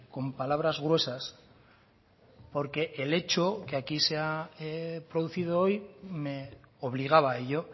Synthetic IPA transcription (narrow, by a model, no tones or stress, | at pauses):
ko̞mpalaβ̞ɾazɣ̞ɾwe̞sas | po̞ɾke̞ʔele̞t͡ʃokeakisea | pɾo̞ðuθið̞oojme̞oβ̞liɣ̞aβ̞aeʎo̞